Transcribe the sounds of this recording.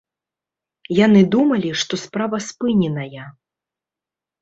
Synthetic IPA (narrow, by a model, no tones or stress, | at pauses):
janɨd̪umɐlʲiʂt̪ɔspɾavɐspɨnʲɛnɐjɐ